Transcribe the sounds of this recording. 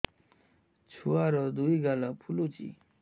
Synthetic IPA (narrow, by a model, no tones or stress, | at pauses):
t͡ɕʰuwaɾəd̪owiɡalapʰulot͡ɕḭ